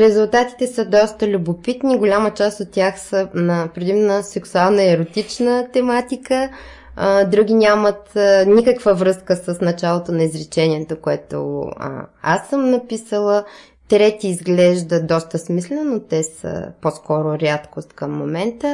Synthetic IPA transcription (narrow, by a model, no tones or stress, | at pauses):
ɾɛzulˠt̪at̪i̥t̪ɛsəd̪ɔst̪əlʲʊbopit̪niɡolʲamət͡ʃast̪ot̪ːʲjaxsənɐpɾɛd̪imnəsɛksualˠnəɛɾot̪it͡ʃnət̪ɛmat̪ikə | d̪ɾuɡʲinʲamət̪nikəkvəvɾɤskəsəsnɐt͡ʃalˠot̪onɐizɾɛt͡ʃɛnʲiɛt̪okoɛt̪o̰ə̰a̰səmnɐpisəlˠə | t̪ɾɛt̪iːzɡlɛʒd̪əd̪ɔst̪əsmislɛnnot̪ɛsə̰poskɔɾoɾʲjat̪kost̪kəmːomɛnt̪ə